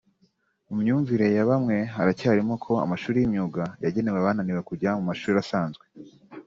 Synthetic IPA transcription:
umɲuːɱviɾe̞jaβamŋe̞ɦaɾacaːɾimo̞kʰo̞a̰maʃuːɾijimɲuɡajaɟe̞neweβaːnaniwe̞kuɟamumaʃuːɾiasaːnzɡwe

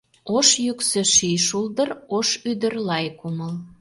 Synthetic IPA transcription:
oʃjyksĕʃijʃuld̪əroʃyd̪ə̆rlɑjkuməl

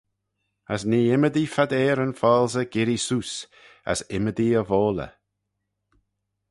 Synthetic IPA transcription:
əsniːɪməd̪ifad̪ɛːɾənfɔːlzəɡɪɾisuːs | ə̰sɪməd̪iəvoːlə̰

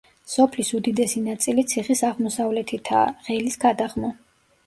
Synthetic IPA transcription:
sɔpʰlisud̪id̪ɛsinat̪sʼilit̪sʰiχisaʁmɔsavlɛt̪ʰit̪ʰa̰ʁɛlisɡad̪aʁmɔ

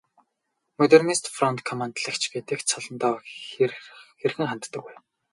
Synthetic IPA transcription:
mɔt̪ernist̪frɔnt̪kʰɔmant̪ɮə̆kt͡ɕɡet̪ɘ̆kt͡sʰɔɮɞ̆nt̪ɔː | xerxɘ̆ŋχan̥t̪ːə̆kuj

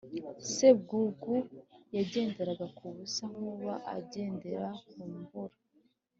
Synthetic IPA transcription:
se̞b̚ɡuɡujaɟe̞ːnde̞ɾaɡakuβusaŋ̥uβaʔa̰ɟe̞ːnde̞ɾakumuhuɾa

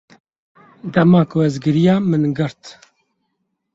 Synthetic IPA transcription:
d̪ɛmɑːkuɛzɡɨɾijɑːmɨnɡɨɾt̪

